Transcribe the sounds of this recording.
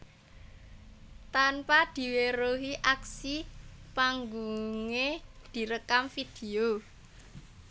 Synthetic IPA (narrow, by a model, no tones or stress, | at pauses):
t̪anpad̪̥i̤weɾoɦiʔaksipaŋɡuŋed̪̥i̤ɾəkamfid̪̥e̤o